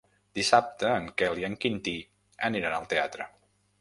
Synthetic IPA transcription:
d̪isap̚t̪əːŋkɛliəŋkint̪i | əniɾanəlˠt̪eat̪ɾə

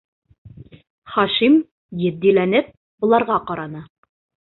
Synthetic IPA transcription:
χɑʃim | jɘ̆d̪ːilænɘp̚ | bŏlˠɑɾʁɑqɑɾɑnɤ

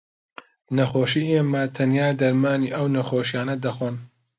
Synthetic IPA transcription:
nɐxoːʃiːʔeːmɐt̪ʰɐnjaːd̪ɐɾmaːniːʔɐwnɐxoːʃijaːnɐd̪ɐxon

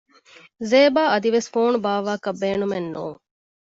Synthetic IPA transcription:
zeːbaːɐd̪iʋesfoːnubaːʋaːkɐbːeːnumenːṵːŋ

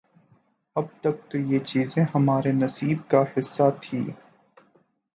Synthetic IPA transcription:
ɐb̚t̪ɐk̚t̪ojet͡ʃiːzẽhɐmaːɾenɐsiːb̚kahɪsːat̪ʰḭː

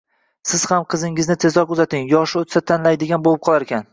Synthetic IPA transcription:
sɪz̥hamqʰɨzɪŋɪznɪt̪ʰe̞zlɒkʊzat̪ɪŋjɒʃɪot̪sat̪ʰanlajd̪ɪɡʲanbolˠɪp̚qʰɒlˠaɾekʲan

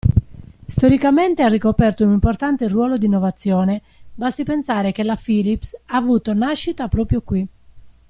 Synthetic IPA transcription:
st̪oɾikament̪earːikopɛrt̪ounimport̪ant̪erwɔːlod̪inːovat̪sːjɔːne | basipensaːɾekelafiːlipsaːvuːt̪onaʃːit̪apɾɔːpɾjokwi

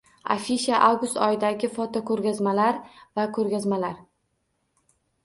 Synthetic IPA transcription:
a̰fiʃaʔawɡʊst̪ɒjɪd̪aɡʲɪfɒt̪ʰɒkʰɵɾɡʲazmalaɾvakʰɵɾɡʲazmalaɾ

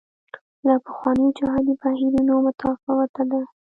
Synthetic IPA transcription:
lapəxwɑnəjd͡ʒaɦɑd̪ipahiɾinomʊt̪ʰɑfɪɣat̪ad̪a

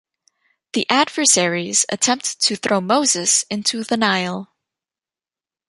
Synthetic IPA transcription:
ðiʔædvə˞sɛɹiz̥ɨ̰tʰɛ̃mp̚ttʰɨθɹoʊmoʊzɨsɪ̃ntʰʉðənaɪl̩ˠ

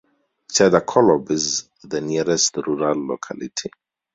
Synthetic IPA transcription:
t͡ʃʰɛdakʰɔlɔ̃biz | ðəniɹɛstɹuɹalːo̰kʰa̰lḭtʰi

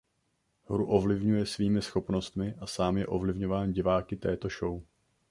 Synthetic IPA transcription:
ɦɾuʔo̞vlɪvɲujɛsviːmɪsxo̞pno̞st̪mɪʔasaːmjɛʔo̞vlɪvɲo̞vaːnɟɪvaːkɪt̪ɛːt̪o̞ʃo̞w

